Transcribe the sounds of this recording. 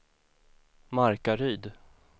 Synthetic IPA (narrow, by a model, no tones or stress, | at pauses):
maɾkaɾyːd̪